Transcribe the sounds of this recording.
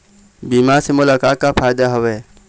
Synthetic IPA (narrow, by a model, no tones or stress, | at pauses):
biːmaɾsemʊlaːkaːt̪̚kapʰaːjd̪aɦʊʋe